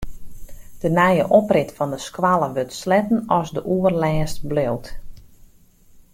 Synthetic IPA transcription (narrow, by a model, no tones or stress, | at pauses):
d̥ənɛjə̰ʔɔprɪtfɔndəskwalˠəʋøtslɛtən̩ɔsdəʔuərlɛːst̚blelˠt